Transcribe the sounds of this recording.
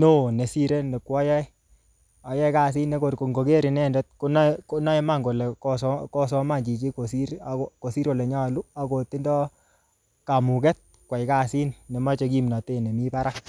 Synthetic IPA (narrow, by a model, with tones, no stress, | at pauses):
no˦˨ne˨si˦ɾe˦ne˨kwɔ˦jɛ˦j | a˨jɛ˦jka˨s̬i˦nne˦ko˨ɾko˨ŋɡo˨ke˦ɾi˨nɛ˦˨ndɛ˦t̚ko˦n˦ko˦na˦i˦ma˦ŋɡo˨lɛ˨kɔ˦sɔ˦kɔ˦sɔ˦ma˦˨ɲd͡ʒi˨t͡ʃi˦ko˨si˦ɾa˨˦ko˨si˦ɾko˨lɛ˨ɲa˦˨lu˦a˨ko˨ti˦ndɔ˦ | ka˨mu˨kɛ˦t̚ | kwa˨jka˦˨si˦nːe˨ma˦t͡ʃe˧ki˦mna˨te˦˨ne˨mi˦pa˦ɾa˦k